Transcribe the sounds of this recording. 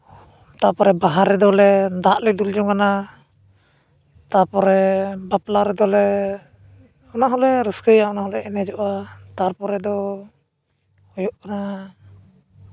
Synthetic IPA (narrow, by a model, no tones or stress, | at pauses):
t̪aɾpɔɾɛbaɦaɾɛd̪ɔlɛd̪aʔlid̪uld͡ʒɔŋkana | t̪aɾpɔɾɛbaplaɾɛd̪ɔlɛ | ɔnaɦɔlɛɾəskəjaɔnaɦɔlɛʔɛnɛd͡ʒɔʔat̪aɾpɔɾɛd̪ɔ | hɔjɔʔkana